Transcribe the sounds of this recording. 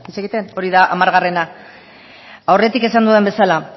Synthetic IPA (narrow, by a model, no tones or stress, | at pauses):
it͡seɣit̪e̞no̞ɾiðaʔamaɾɣare̞na | awre̞t̪ike̞sand̪uðembe̞sala